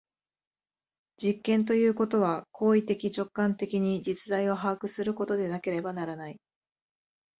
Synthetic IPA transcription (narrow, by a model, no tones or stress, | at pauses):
d͡ʑikːẽ̞nt̪̬o̞jɯ̟ːko̞t̪o̞β̞akʰo̞ːit̪e̞kʲit͡ɕo̞kːãnt̪e̞kʲiɲ̟id͡ʑit͡sɨd̪aio̞ɦaːkɯ̟sɨɾɯ̟ko̞t̪o̞d̪e̞nake̞ɾe̞banaɾanai